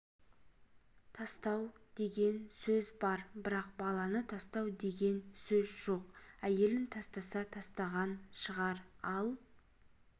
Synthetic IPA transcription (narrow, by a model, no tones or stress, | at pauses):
t̪ʰɑst̪ɑwd̪̥e̞ɡʲe̞nsɵzbɑɾbɪɾɑqbɑlˠɑnət̪ʰɑst̪ɑwd̪e̞ɡʲe̞nsɵzʒo̞qæje̞lɪnt̪ʰɑst̪ɑsɑt̪ʰɑst̪ɑʁɑnʃəʁɑɾɑlˠ